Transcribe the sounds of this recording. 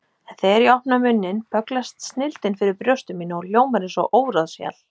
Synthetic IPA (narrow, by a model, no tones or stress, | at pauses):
ɛnθɛɾiɔhpnamʏnːɪnpʰœklast̪snɪlt̪ɪnfɪɾɪɾpɾjœwst̪ʏmiːnʏɔljoːwmaɾɪnsɔʔoːwɾaðsja̰l